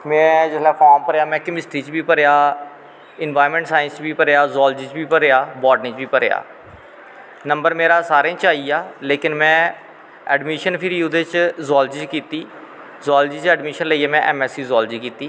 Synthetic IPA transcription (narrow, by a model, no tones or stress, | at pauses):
mɛ̃ːd͡ʒɪslaːpʰaːɾmpəɾjaːmɛ̃ːkɪmɪsʈɾiːt͡ʃbiːpəɾeaː | ɪnʋaːɾmɛ̃ːɳʈsaːɪnst͡ʃbiːpəɾaːzɔːld͡ʒiːt͡ʃbiːpəɾeːaːbɔːɖnĩːt͡ʃbiːpəɾḛja̰ː | nəmbəɾmeːɾaːsaːɾẽːt͡ʃaːiːaːleːkɪnmɛ̃ː | ɛːɖmiːʃənpʰɪɾiːʊd̪et͡ʃzɔːld͡ʒiːt͡ʃkiːt̪iː | zɔːld͡ʒiːt͡ʃɛːɖmiːʃənləiːaːmɛ̃ːʔɛːmɛːsiːzɔːld͡ʒiːkiːt̪iː